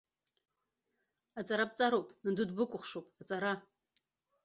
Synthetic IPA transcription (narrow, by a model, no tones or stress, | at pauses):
at͡sʼaɾap̚t͡sʼaɾowpʼnɨdudbɨkʷʼʊχʷʂowpʼat͡sʼaɾa